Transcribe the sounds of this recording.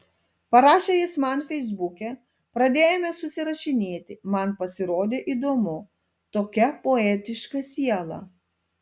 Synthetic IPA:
pɐɾɑːʃʲejɪsmɑnfʲɛɪzbʊkʲɛ | pɾɐd̪ʲeːjɛmʲɛsʊsʲɪɾɐʃʲɪnʲeːt̪ʲɪmɐnpɐsʲɪɾoːd̪ʲeːʔid̪oːmʊ | t̪oːkʲɛpoɛːt̪ʲɪʃkɐsʲiɛlˠɐ̰

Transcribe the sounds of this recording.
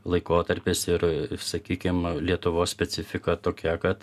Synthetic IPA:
lˠɐɪkoːt̪ɐɾʲpʲɪsɪɾsɐkʲiːkʲɪmlʲiɛt̪ʊʋoːssʲpʲɛsʲɪfʲɪkɐt̪oːkʲɛkɐt̪

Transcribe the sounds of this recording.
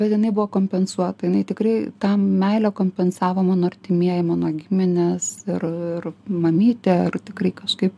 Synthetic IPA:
bʲɛt̪jɪnɐɪbʊʋoːkoːmʲpʲɛnsuɔt̪ɐjɪnɐɪt̪ʲɪkrɐɪt̪ɑmʲɛɪlʲɛkoːmʲpʲɛnsɑːʋoːmɑːnoːɐrʲt̪ʲɪmʲiɛjɪmɑːnoːɡʲɪmʲɪnʲɛsɪrɪrmɐmʲiːt̪ʲeɪrt̪ʲɪkrɐɪkɐʃkɐɪp

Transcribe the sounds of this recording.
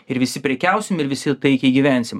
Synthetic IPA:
ɪɾʋʲɪsʲɪpʲɾʲɛkʲæˑʊsʲɪmʲɪɾʋʲɪsʲɪt̪ɐɪkʲɛiɡʲiʋʲæˑnʲsʲɪm

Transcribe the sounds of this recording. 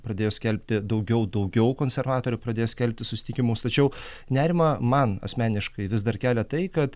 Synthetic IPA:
pɾɐd̪ʲeːjoːsʲkʲɛlʲpʲt̪ʲɪd̪ɐʊɡʲɛʊd̪ɐʊɡʲɛʊkoːnʲsʲɛɾʋɑːt̪oːɾʲʊpɾɐdʲeːjsʲkʲɛlʲpʲt̪ʲɪsʊsʲɪ̥t̪ʲɪkʲɪmʊst̪ɐt͡ʃʲɛʊ | nʲæːɾʲɪmɐmɐnɐ̰sʲmʲæːnʲɪʃkɐɪʋʲɪzd̪ɐrkʲæːlʲɛt̪ɐɪkɐt̪

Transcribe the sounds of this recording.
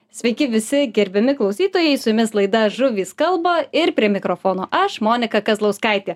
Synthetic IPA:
sʲʋʲɛɪkʲɪʋʲɪsʲɪɡʲɛɾʲbʲɪmʲɪklˠɒʊsʲiːt̪oːjɛɪsʊjʊmʲɪslˠɐɪd̪ɐʒʊʋʲiːskɐlˠbɐɪɾpʲɾʲiɛmʲɪkɾoːfoːnoːʔɐʃmoːnʲɪkɐkɐzlˠɐʊskɐɪt̪ʲeː

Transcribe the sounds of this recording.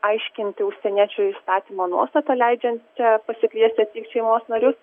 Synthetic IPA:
ɐɪʃʲkʲɪnʲt̪ʲɪʊʃʲsʲɛnʲiɛt͡ʃʲʊiːst̪ɑːt̪ʲiːmoːnuɔst̪ɐt̪ɐlʲɛɪd͡ʒʲɛnt̪̚t͡ʃʲɛpɐsʲɪkʲlʲiɛsʲt̪ʲet̪ʲiːkʃʲɛɪmoːsnɐɾʲʊs

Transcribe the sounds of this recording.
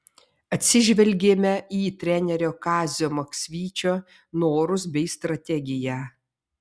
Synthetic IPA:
ɐt̪ʲsʲɪʒʲʋʲɛlʲɡʲeːmʲɛiːt̪ʲɾʲɛnʲɛɾʲoːkɑːzʲoːmɐksʲʋʲiːt͡ʃʲoː | noːɾʊs̬bʲɛɪst̪ɾɐt̪ʲɛɡʲɪjæː

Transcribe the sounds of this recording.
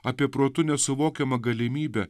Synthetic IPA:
ɐːpʲiɛpɾoːt̪ʊnʲɛsʊʋoːkʲɛmɐɡɐlʲɪmʲiːbʲɛ

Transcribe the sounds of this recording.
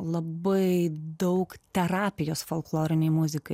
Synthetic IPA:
lˠɐbɐɪd̪ɐʊkt̪ʲɛɾɑːpʲɪjoːsfolˠklˠoːɾʲɪnʲɛɪmʊzʲɪkɐɪ

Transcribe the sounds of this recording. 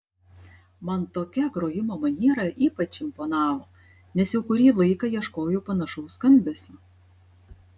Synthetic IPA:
mɐnt̪oːkʲɛɡɾoːjɪmoːmɐnʲiːɾɐʔiːpɐt͡ʃʲɪmpoːnɑːʋoː | nʲɛsjɛʊkʊɾʲiːlˠɐɪkɑːjiɛʃkoːjopɐnɐʃɐʊskɐmʲbʲɛsʲʊ

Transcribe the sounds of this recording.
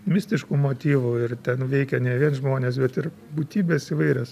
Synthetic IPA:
mʲɪsʲt̪ʲɪʃkuːmoːt̪ʲiːʋuɪrt̪ʲɛnʋʲɛɪkʲɛnʲɛʋʲiɛnʒmoːnʲeːs̬bʲɛt̪ɪr | buːt̪ʲiːbʲeːsiʋɐɪɾʲɛs

